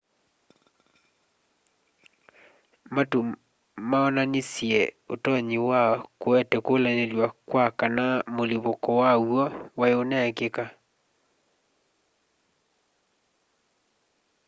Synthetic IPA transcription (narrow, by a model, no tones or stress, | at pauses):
matu | maɔnanisjɛotɔɲewakoɛtɛkolanelwakwakanamoliβokɔwawɔwaeonɛkeka